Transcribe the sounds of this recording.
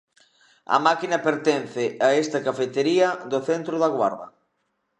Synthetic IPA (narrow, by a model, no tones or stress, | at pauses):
ɐ̰makinɐpeɾt̪ɛn̟θɪaest̪ɐkafet̪eɾiɐd̪oθent̪ɾʊðaɣwa̰ɾðɐ̰